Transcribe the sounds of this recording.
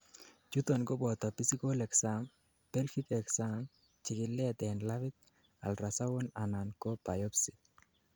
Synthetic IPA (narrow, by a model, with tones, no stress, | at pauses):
t͡ʃu˦t̪ɔ˨nɡɔ˦bɔ˨t̪a˨pi˦si˦ko˦lɛ˨ksam | pɛ˦lxi˦kɛksam | t͡ʃɪ˨kɪ˨lːɛ˦a˨t̪ɛnlavɪ˦t̪̚ | a̰˨lrasa˦wo˦na˨na˨nkopa˨jɔ˦psi̥˨